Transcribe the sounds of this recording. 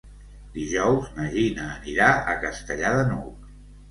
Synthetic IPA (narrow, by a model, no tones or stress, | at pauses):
d̪iʒɔwznəʒinəːniɾaə̰kəst̪əʎaðənuwk